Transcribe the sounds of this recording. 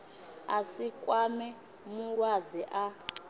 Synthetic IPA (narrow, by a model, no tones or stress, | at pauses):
asikʼwamɛ | muɺwad͡ziʔa